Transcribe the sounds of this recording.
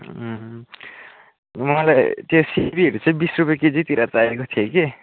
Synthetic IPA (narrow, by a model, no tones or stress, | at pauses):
mʌlajt̪josebiɦʌɾut͡sʌ̃ĩbisrupjeked͡zit̪iɾʔat͡saekot̪ʰioke